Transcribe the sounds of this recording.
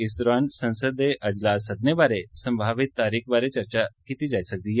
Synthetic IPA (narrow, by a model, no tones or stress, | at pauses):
ɪst̪ɾansə̃nsəd̪eʔɐd͡ʒlaːs̬əd̪ʱnebaɾesə̃mbʱaʋit̪ːaɾiːkbaɾet͡ʃəɾt͡ɕakit̪id͡ʒaisək̚d̪ie